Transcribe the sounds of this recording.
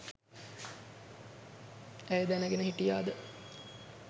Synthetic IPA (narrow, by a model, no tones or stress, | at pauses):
æjd̪ænəɡenəɦiʈijaːd̪ə